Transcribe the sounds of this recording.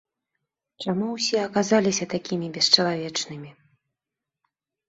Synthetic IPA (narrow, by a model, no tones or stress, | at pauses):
t͡ʂamuwsʲɛɐkazalʲisʲɐt̪akʲimʲibʲɛʂt͡ʂɐlˠavʲɛt͡ʂnɨmʲi